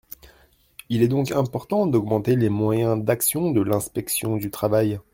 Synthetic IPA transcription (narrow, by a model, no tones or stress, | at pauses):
ilɛd̪ɔ̃kɛ̃pɔʁt̪ɑ̃d̪ɔɡmɑ̃t̪elemwajɛ̃d̪aksjɔ̃d̪əlɛ̃spɛksjɔ̃d̪yt̪χavaj